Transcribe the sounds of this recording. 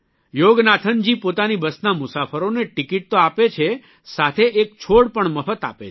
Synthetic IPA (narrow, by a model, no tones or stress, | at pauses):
joɡnat̪ʰənd͡ʒipot̪anibəsnamʊsafəɾoneʈɪkiʈ̚t̪oapet͡ʃʰe | sat̪ʰeʔek̚t͡ʃʰoɽpəɳməfət̪a̰pe